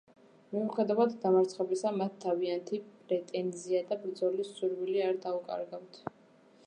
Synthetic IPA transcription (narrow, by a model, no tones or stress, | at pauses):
miuχɛd̪avad̪d̪amaɾt̪sʰχɔbisamat̪ʰːaviant̪ʰipʼɾɛt̪ʼɛnziad̪abɾd̪zɔlisuɾviliaɾd̪aukʼa̰ɾɡawt̪ʰ